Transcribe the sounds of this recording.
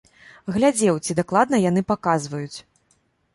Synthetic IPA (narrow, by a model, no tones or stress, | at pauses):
ɣlʲad͡zʲɛwt͡sʲid̪aklˠad̪̚nɐjanɨpakazvɐjut͡sʲ